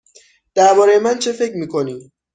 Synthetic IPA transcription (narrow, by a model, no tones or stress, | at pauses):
d̪̥æɾbɒːɾe̞jemænt͡ʃʰe̞fe̞cɾmiːkʰo̞niː